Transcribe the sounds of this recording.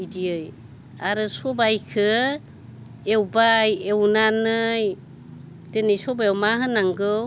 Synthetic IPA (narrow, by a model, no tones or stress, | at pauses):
diɯj | aɾɯsɔbajkʰɯ | ewbajewnanɯj | d̥enijsɔbaewmaɦɯnaŋɡɯ